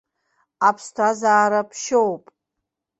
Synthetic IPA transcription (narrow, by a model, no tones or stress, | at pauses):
apʰstʷʰazaːɾapʰʃowpʼ